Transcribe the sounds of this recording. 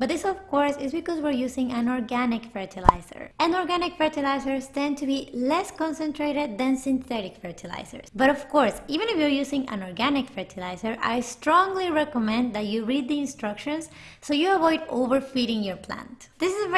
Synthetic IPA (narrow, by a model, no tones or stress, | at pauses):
b̥ʌt̪̚ðɪsɔvkɔɹsɪzbikɔswiɹjusɪ̃ŋæ̃nɔɹɡænɪkfɛɹt̪ʰila̰jsə̰˞ʔæ̃nɔɹɡænɪkfɛɹt̪ilaɪsəɹst̪ɛ̃nt̪ʰubilɛskɔ̃nsɛ̃nt̪ʰɹeɾɨd̪̚ðæ̃nsĩnθɛɾɪkfɛɹt̪ʰila̰ɪsə̰ɹsbʌɾɔv̥kɔɹsivɨ̃nɪfjuɹjusɪ̃ŋæ̰̃nɔɹɡænɪkfɛɹt̪ʰilaɪzəɹʔa̰jstɹɔ̃ŋɡliɹɛkɔmɛ̃nd̪ðætjuɹid̪̚d̪iɪ̃nstɹʌkʃə̃nsː | ojuavɔjdo̰vəɹfiɾɪ̃ŋjɔɹpʰlæ̰̃ntd̪ɪsɪz